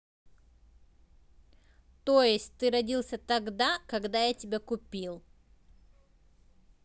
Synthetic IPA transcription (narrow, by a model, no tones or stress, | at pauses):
t̪ojɪsʲtʲt̪ɨɾɐdʲilˠsʲət̪ɐɡd̪akɐɡd̪ajatʲɪbʲakʊpʲilˠ